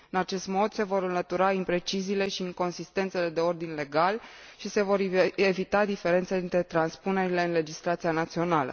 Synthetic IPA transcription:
ɨnat͡ʃe̞st̪mo̞d̪se̞vo̞ɾɨnlət̪uɾaimpɾe̞t͡ʃiziːle̞ʃiːŋko̞nsist̪e̞nt̪se̞le̞d̪e̞o̞rd̪inle̞ɡalʃise̞vo̞ɾe̞vit̪ad̪ife̞ɾe̞nt̪səd̪int̪ɾe̞t̪ɾanspune̞ɾile̞ɨnle̞d͡ʒist̪ɾat̪sianat̪sio̞nalə̰

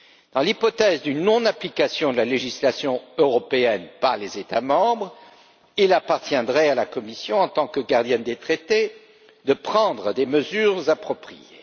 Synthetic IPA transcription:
d̪̥ɑ̃lipɔt̪ɛzd̪ynːɔ̃naplikasjɔ̃d̪əlaleʒislasjɔ̃øʁɔpeɛnpaʁlezet̪amɑ̃bʁ | ilapaʁt̪jɛ̃d̪ʁɛalakɔmisjɔ̃ɑ̃t̪ɑ̃kəɡaʁd̪jɛnd̪et̪χet̪e | d̪əpχɑ̃d̪ʁəd̪eməzyʁzapχɔpχijḛ

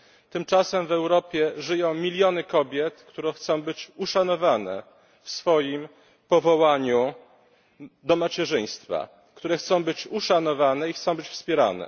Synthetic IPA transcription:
t̪ɘmt͡ʂasɛmvɛwɾɔpʲjɛʐɘjɔ̃w̃mʲilʲjɔnɘkɔbʲjɛt̪kt̪uɾɛxt̪sɔ̃w̃bɘt͡ɕuʂanɔvanɛ̰ | fsfɔjim | pɔvɔwaɲu | d̪ɔmat͡ɕɛʐɘj̃st̪fa̰ | kt̪uɾɛxt̪sɔ̃w̃bɘt͡ɕuʂanɔvanɛixt̪sɔ̃w̃bɘt͡ɕfspʲjɛɾa̰nɛ̰

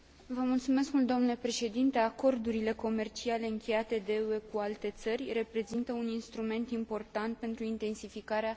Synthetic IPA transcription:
vəmult̪sume̞skmult̪d̪omnule̞pɾe̞ʃe̞d̪int̪e̞ako̞rd̪uɾile̞ko̞me̞rt͡ʃiale̞ɨŋkʲe̞jat̪e̞d̪e̞uekualt̪e̞t̪sərʲre̞pɾe̞zint̪əuninst̪ɾume̞nt̪impo̞rt̪ant̪̚pe̞nt̪ɾuint̪e̞nsifikaɾea

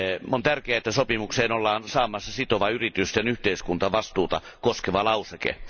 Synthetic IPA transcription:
ont̪ærkeæet̪ːæsopimukseːnolːɑːnsɑːmɑsːɑsit̪oʋɑyrit̪yst̪enyht̪eiskunt̪ɑʋɑst̪uːt̪ɑ̰ | koskeʋɑlɑusekḛ

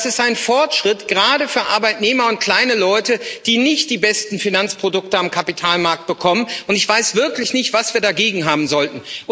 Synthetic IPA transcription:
sɪstʔaɪnfɔɐtʃʁ̥ɪtɡ̥əʁaːɾəfyːɐʔaɐbaɪtneːmɐʊnt̚kʰl̥aɪnəlɔʏtəd̥iːnɪçtd̥iːbɛstn̩finant͡spʁ̥odʊk̚təamkʰapitʰaːlmaɐk̚t̚b̥əkʰɔmənʊntɪçv̥aɪsv̥ɪɐklɪçnɪçtv̥asv̥iːɐdaɡeːɡŋ̩ɦaːbm̩zɔltn̩

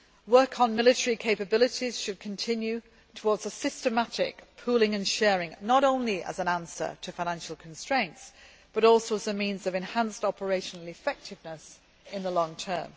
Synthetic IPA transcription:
wɜˑkʰn̩mɪlɪtəɹikʰeɪpəbɪlɪtiz̥ʃɨd̚kʰə̃ntʰɪ̃njʉ | tʰəwɔːdz̥əsɪstəmatɪ̰kpʰuːlɪ̃ŋə̃nʃɛːɹɪ̃ŋnəɾõʊ̃nliʔə̰zə̃nãnsə̰˞tʰəfaɪnãnʃəl̩ˠkʰə̃n̩stɹ̥ẽɪ̃nts | b̥ʌɾɔˑlˠsoʊəzəmĩnzəvɛ̃nhãnstɒpəɹeɪʃənəlˠɪfɛk̚tʰɪvnəs | ɪ̃nðəlɒ̃ŋtʰɜːm

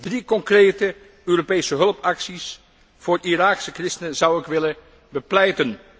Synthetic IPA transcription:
drikɔŋkrejtə | øːropejsəɦɵlˠpɑksis | v̥ʊːriraːksəkrɪstənənzɑwɪkʋɪlə | bəplɛjtən

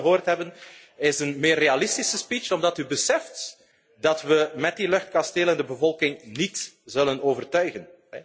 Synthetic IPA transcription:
ɦoːrtɦɛbən | ɪsənmeːrealɪstisəspit͡ʃɔmdɑtybəsɛft | dɑtwʋəmɛt̚dilɵxt̚kɑsteːləndəbəvɔlˠkɪŋnit | zɵlənoːvərtœɥɣən

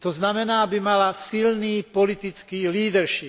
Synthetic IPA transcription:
t̪ɔznamɛnaːbimalasilniːpɔlit̪it͡skiːliːd̪ɛɾʃip

